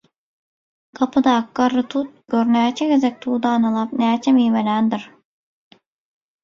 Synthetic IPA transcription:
kʰapʰɯd̪aːkːaɾːɯt̪ʰut̪̚ɡ̥ʲøɾnɛt͡ʃʰɛɡezɛk̚t̪ʰuːd̪aːnalˠapnɛt͡ʃʰɛmimelʲænd̪iɾ

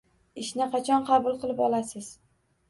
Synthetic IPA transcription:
ɪʃnɪqʰɑt͡ʃʰɒnqʰɑbʊlˠqɨlˠɪpɒlasɪz̥

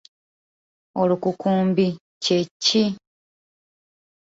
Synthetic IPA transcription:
olukukuːmbi | cecːi

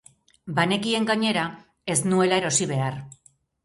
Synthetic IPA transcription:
bane̞kie̞ŋɡaɲe̞ɾa | e̞snue̞laeɾo̞siβ̞e̞ar

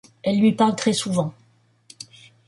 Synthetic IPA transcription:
ɛlːɥipaʁlt̪χɛsuvɑ̃

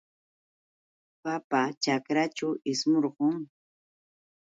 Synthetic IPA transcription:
papat͡ʃakɾat͡ʃawɪsmoɾɢʊŋ

